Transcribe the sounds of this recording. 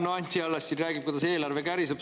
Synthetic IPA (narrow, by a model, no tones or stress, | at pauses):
noɑnʲt̪ʲiɑlːɑsːiræːɡ̥ip̚kujd̪ɑse̞ːlɑrvekæɾiseb